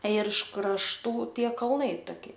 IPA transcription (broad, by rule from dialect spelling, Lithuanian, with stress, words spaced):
ɪr ɪʃ krɐʃˈtuː ˈtʲiɛ kɐlˠˈnɐɪ toːˈkʲɪ